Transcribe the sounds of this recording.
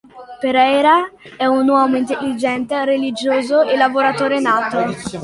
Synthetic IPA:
peɾɛjɾaɛunwɔːmoint̪elːid͡ʒɛnt̪eɾelid͡ʒoːzoelːavoɾat̪oːɾenaːt̪o

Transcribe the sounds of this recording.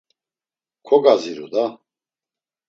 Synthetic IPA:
kʰɔɡaziɾud̪a

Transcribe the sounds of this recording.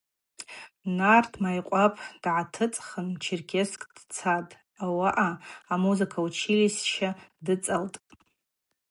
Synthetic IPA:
nartʰmajqʷʼapʼd̥ʕatʰɨt͡sʼχənmt͡ʃʰirkʲʰeskʼd̥t͡sʰatʼ | awaʔaamuzɨkʰaut͡ʃʰilisʃadɨt͡sʼaltʼ

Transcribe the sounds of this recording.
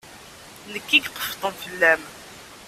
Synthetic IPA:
nəkːiɡqːə̥ft̪ˤənθəlːæm

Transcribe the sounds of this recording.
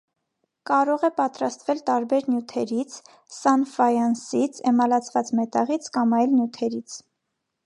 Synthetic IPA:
kɑɾɔʁɛpɑt̪ɾɑst̪vɛlt̪ɑɾbɛɾnjut̪ʰɛɾit͡sʰ | sɑnfɑjɑnsit͡sʰɛmɑlɑt͡sʰvɑt͡smɛt̪ɑʁit͡sʰkɑmɑjlnjut̪ʰɛɾit͡sʰ

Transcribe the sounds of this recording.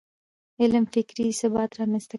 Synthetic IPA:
ɪlmfɪkɾisɪbɑt̪ɾɑmɛnst̪a

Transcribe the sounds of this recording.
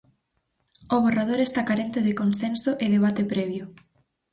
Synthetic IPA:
oβ̞orað̞oɾest̪akaɾent̪ɪðɪkonsensʊʔɪðeβ̞at̪ɪpɾɛβjʊ

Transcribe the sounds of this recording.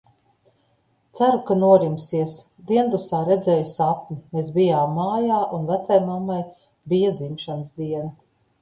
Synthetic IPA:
t̪sæɾukanuɔɾimsiɛs | d̪iɛnd̪usaːɾɛd̪zɛːjusap̚ʲnʲimeːs̬bijaːmːaːjaːʔunvæt̪sajmamːaj | bijad̪zimʃanəsd̪iɛnɐ

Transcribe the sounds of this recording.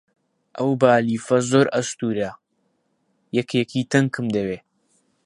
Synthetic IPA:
ʔɐwbaːliːfɐzoːɾɐst̪uːɾɐ | jɐkʰeːkʰiːt̪ɐŋkʰɨmd̪ɐweː

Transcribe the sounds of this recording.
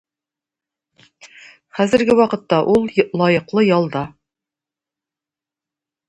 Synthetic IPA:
χæzɘ̆ɾɡɘwɑqɤ̆t̪ːɑʔulˠlˠɑjɤ̆qlˠɤjɑlˠd̪ɑ

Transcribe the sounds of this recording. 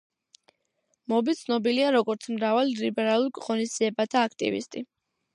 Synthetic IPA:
mɔbit̪sʰnɔbiliaɾɔɡɔɾt̪sʰmɾavalilibɛɾalˠuɾkʼʁʼɔnizd̪z̥iɛbat̪ʰaːk̚ʰt̪ʼḭvḭst̪ʼi

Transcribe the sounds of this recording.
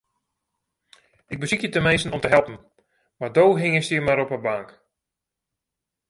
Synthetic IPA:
ɪɡ̚bəsikjətəmejsənɔmtəɦɛlˠpən̩ | mardoːɦɪŋəstimaɾɔpəbaŋk

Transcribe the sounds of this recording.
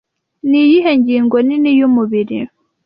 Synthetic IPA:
nijiɦeɲɟiːŋɡoninijumuβiɾḭ

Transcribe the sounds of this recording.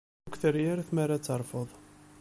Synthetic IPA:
kʷθəɾjaɾθmaɾat͡sːəɾˤfəðˤ

